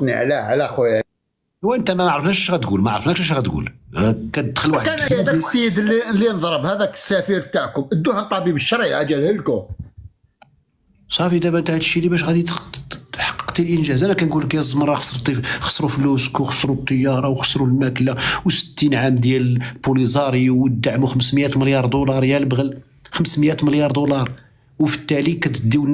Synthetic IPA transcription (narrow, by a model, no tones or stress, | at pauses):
nḭʕlæʕlæxw | wʔənt̪æmæmaʕɾˤəfnæʃæʃɣæt̪ɡulmaʕɾˤəfnækʃæʃ̬ɣæt̪ɡṵlkæd̪xəlwaħəkæsjəd̪lːilːinəd̪ˤɾˤəbhæd̪æksæfiɾt̪aʕkʊmʔəd̪ːʊhənt̪ˤɑbibəʃːɾiʔæd͡ʒælhəlkʊ | sˤɑfid̪æmænt̪aʕt̪ʃːilibæʃɣæd̪iħɑ̥qːə̥qt̪ilʔənʒæzʔænækænɡuləkjæt̪zˤmɾˤɑxɑ̥sˤəɾˤt̪ːixɑ̥sˤːɾufluskuxɑ̥sˤɾut̪ˤːəjːɑɾˤɑwxɑ̥sˤːɾulmæklawsə̥t̪ːinʕamd̪jælpulizˤɑɾˤiwd̪ːaʕmuxəmsmjæt̪məljɑɾˤd̪ulɑɾˤjælbɣəl | xəmsmjæt̪məljɑɾˤd̪ulɑɾˤ | wfə̥t̪ːælikæt̪əd̪ːiwn